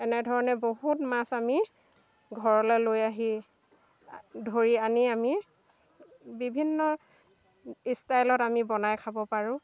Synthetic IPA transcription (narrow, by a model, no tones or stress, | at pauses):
ɛnɛdʱɔɹɔnɛboɦutmasami | ɡʱɔɹɔlɛlojaɦi | dʱoɹianiami | bibʱinːɔ | istajlɔtamibɔnajkʰabɔpaɹʊ̃